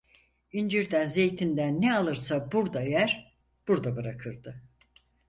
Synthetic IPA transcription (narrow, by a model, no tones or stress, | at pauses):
ind͡ʒiɾd̪ænze̞jt̪ʰind̪ænːealˠɯɾsabuɾd̪aejæɾ | b̥uɾd̪abɯɾakʰɯɾd̪ɯ